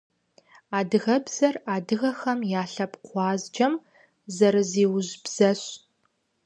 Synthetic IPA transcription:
aːdɨɣɐbz̥ɐraːdɨɣɐxɐmjaːɬɐpqʷɑːzd͡ʒɐm | zɐɾɨziːwʑbz̥ɐɕ

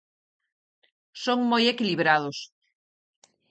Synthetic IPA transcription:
soŋmojekiliβɾaðʊs

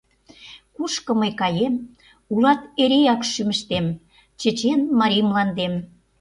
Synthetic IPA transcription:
kuʃkə̆məjkɑjem | ulɑt̪eɾejɑkʃymə̆ʃt̪em | t͡ɕə̆t͡ɕenmɑɾʲijmlɑnd̪em

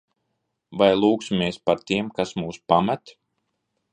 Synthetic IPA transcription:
vajlˠuːksmeɛspaɾt̪iɛmkasmuːspamæt̪

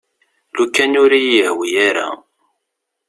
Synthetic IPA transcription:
lukːænuɾijəhwijaɾa̰

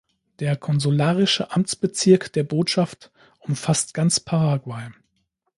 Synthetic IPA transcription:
d̥eːɐkʰɔnzulaːʁɪʃəʔamt͡sb̥ət͡sɪɐkd̥eːɐboːtʃaft | ʔʊmfastɡ̥ant͡spʰaʁaɡwaɪ

